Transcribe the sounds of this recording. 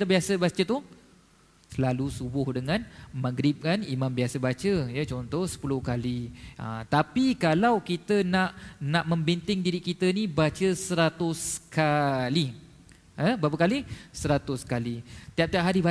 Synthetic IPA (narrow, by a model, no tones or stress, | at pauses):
it̪əbiasəbat͡ʃət̪u | səlalusubʊhdəŋãnmaɡɾɪp̚kanimãmbiasəbat͡ʃəjət͡ʃɔnt̪ɔhsə̥pulʊhkaliə̰t̪apikalawkit̪ənaʔnãʔməmbint̪ɪŋdiɾikit̪ənibat͡ʃəsəɾat̪ʊskali | əbapəkalisəɾat̪ʊskalit̪iap̚t̪iap̚ɦaɾiba